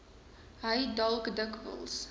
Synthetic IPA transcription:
ɦəjdɐlˠkdəkvə̰lˠs

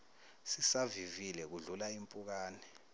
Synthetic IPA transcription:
sisavivilɛk̬uɮulaimpʼuk̬aːnɛ

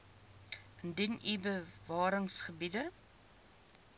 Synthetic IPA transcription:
əndinibəvɑːɾəŋsχəbidə

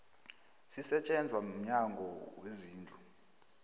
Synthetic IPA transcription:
sisɛt͡ʃʼɛnd͡zʱwam̩ɲaŋɡʱɔweziːnd͡ɮʱu

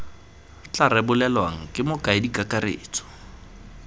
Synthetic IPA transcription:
t͡ɬʼarɛbʊlɛlwaŋ̩kʼɪmʊkʼaɪdikʼakʼarḛːt͡sʰʼɔ̥

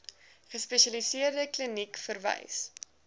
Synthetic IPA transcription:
χəspɛʃɐlisiərdəklənikfərvɛ̰js

